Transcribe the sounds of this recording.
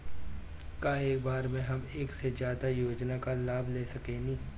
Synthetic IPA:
kaeːkbaːɾmẽɦɐmeːksezjaːd̪ajoːd͡ʒnakalaːbʱleːsɐkenĩː

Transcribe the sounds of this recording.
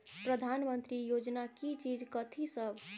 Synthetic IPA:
pɾəd̪ʱanmənt̪ɾijod͡ʒnakit͡ʃid͡ʒkət̪ʰisəb

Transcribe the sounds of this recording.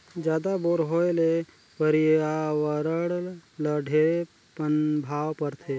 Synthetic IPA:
d͡ʒjaːd̪aboːɾɦoːele | pəɾɪawəɾəɽləɖʱe | pənbʱaːwpəɾt̪ʰeː

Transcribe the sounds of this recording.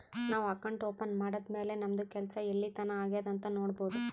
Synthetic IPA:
naːʋɐkɐɳʈoːpɐnmaːɽɐd̪me̞ːle̞nɐmɐd̪ukɛlɐsɐeɭːit̪ɐnɐaːɡijɐd̪ɐnt̪ɐno̞ːɽbo̞ːd̪u

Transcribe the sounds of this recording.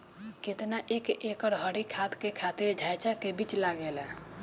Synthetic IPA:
ket̪naʔekekəɾɦəɽikʰat̪kekʰat̪iɾɖʱajt͡ʃakebit͡ʃlaɡelɛ

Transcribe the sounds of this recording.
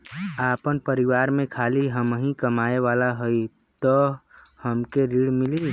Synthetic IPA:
apənpəɾiʋaɾmẽkʰaliɦəmɦĩkəmaeʋalaɦoj | t̪ɔ | həmkeɾiɽmili

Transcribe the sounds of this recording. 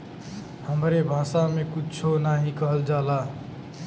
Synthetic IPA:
həmɾebʱaːsamẽkut͡ʃʰonaɦĩkəɦəld͡ʒaːla

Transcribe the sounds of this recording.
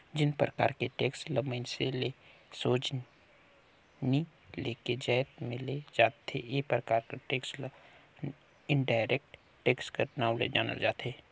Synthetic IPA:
d͡ʒɪnpɾəka̰ːɾkeʈeːksləməɪnselesoːd͡ʒ | ni | leːked͡ʒajt̪mẽled͡ʒaːt̪ḛjepɾəkaːɾkaʈeːksl | ɪɳɖaːɪɾeːk̚ʈ | ʈːeːkskəɾnãːlḛd͡ʒa̰ːnə̰ld͡ʒaːt̪eː

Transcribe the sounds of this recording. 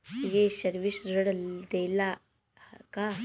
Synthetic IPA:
jeɕəɾʋisɾəɽd̪ela | ka

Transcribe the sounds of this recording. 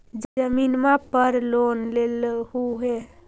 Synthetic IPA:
d͡ʒəminmapəɾlonlelɦuɦe

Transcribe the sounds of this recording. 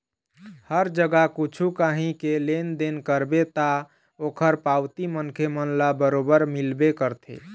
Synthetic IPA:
həɾd͡ʒəɡakut͡ʃʰukaɦĩkelend̪enkəɾbet̪a | okʰəɾpawt̪imənkʰemənlabəɾobəɾmilbekəɾt̪ʰḛ

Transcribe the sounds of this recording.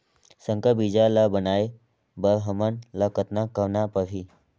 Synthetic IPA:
səŋkəbid͡ʒaləbənaj | bəɾɦəmənləkət̪nakəʋnapəʋi

